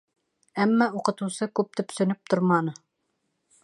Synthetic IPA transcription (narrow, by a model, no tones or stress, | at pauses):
æmːæuqɤ̆t̪ŭwsɤkʉp̚t̪ɵ̆psɵ̆nɵp̚t̪oɾmɑnɤ